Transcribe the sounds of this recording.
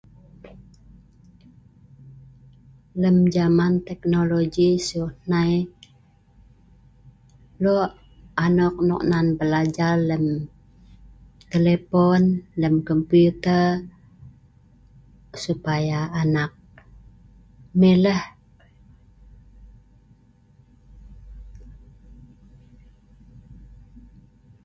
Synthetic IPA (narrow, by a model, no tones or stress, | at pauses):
ləmd͡ʒamant̪ɛk̚noloɡisuhnaj | lɔʔ | anɔk̚nɔ̰k̚nanbəlad͡ʒarləm | t̪elepɔnləmkɔmpuut̪ər | supajaːnak̚ | meləh